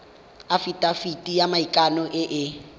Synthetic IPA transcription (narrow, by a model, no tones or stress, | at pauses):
afitʼafitʼijamaikʼanɔʔɪʔɪ